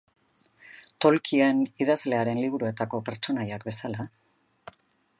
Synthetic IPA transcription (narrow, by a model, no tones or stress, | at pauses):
t̪o̞lkʰie̞niðazle̞aɾe̞nliβ̞uɾue̞t̪ako̞pe̞ɾt͡ʃo̞najakbe̞sala